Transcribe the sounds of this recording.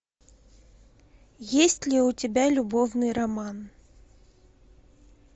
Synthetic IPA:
jesʲtʲlʲɪʊtʲɪbʲalʲʊbovnɨjrɐman

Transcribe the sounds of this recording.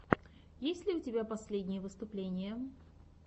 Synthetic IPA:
jesʲtʲlʲɪʊtʲɪbʲapɐsʲlʲedʲnʲɪjəvɨst̪ʊplʲenʲɪjə

